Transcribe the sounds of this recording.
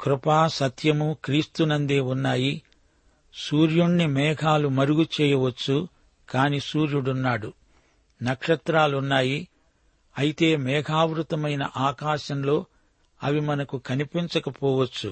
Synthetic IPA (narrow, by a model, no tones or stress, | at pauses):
kɾupaːsɐt̪ʰjɐmukɾiːst̪unɐnd̪eːunːaːji | suːɾjuɳːimɛːɡʱaːlumɐɾuɡut͡ʃɛːjɐʋɐt͡ʃːu | kaːniːsuːɾjuɽunːaːɽu | nɐkʂɐt̪ɾaːlunːaːji | ɐjit̪e̞ːmɛːɡʱaːʋɾut̪ɐmɐjnɐ̰ʔaːkaːʃɐmlo̞ː | ɐʋimɐnɐkukɐnipiɲt͡ʃɐkɐpɔːʋɐt͡ʃːṵ